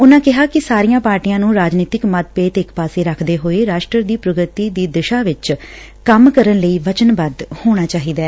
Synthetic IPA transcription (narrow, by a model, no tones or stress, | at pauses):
ʊnãːkɪɦaːkɪsaːɾiːjãːpaːɾʈijãːnũːɾaːd͡ʒniːt̪ɪkmət̪̚peːt̪ɪkpaːseːɾəkʰd̪eːɦoːeːɾaːʃʈɾəd̪iːpɾəɡɾət̪iːd̪iːd̪ɪʃaːʋɪt͡ʃ | kəmkəɾənləiːʋət͡ʃənbəd̪hoːɽ̃aːt͡ʃaːɦiːd̪aː